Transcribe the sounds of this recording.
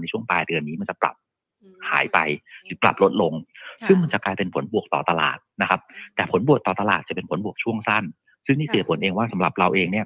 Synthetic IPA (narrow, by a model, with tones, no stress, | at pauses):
na˧jt͡ɕʰu˥˩əŋpaː˧jdɯ˧ənːiː˦˥ma˧nt͡ɕa˨˩pla̰˨˩p̚ | ha̰ː˩˦jpa˧jpla̰˨˩p̚lo˦˥t̪̚lo˧ŋsɯ˥˩ŋma˧nt͡ɕa˨˩klaː˧jpe˧npʰo˩˦nbu˨˩ək̚t̪ɔː˨˩t̪a˧la̰ː˨˩t̪̚na˦˥kʰa˦˥p̚t̪ɛː˨˩pʰo˩˦nbu˨˩ək̚t̪ɔː˨˩t̪a˧laː˨˩t̪̚t͡ɕa˨˩pe˧npʰo˩˦nbu˨˩ək̚t͡ɕʰu˥˩əŋsa˥˩n | sɯ˥˩ŋniː˥˩si˨˩pʰo˨˦nʔeː˧ŋwaː˥˩sa˩˦mɾa̰˨˩p̚ɾa˧wʔeː˧ŋni˥˩ɐ